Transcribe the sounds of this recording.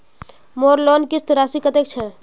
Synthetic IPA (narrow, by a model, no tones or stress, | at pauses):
moɾlonkist̪ɾasikət̪ek̚t͡ʃʰɛ